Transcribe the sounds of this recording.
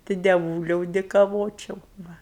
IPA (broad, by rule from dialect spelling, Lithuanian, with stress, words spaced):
tɐɪ dʲɛˈʋuːlʲɛʊ dʲeːkɐˈʋoːt͡ʃʲɛʊ ˈʋɐ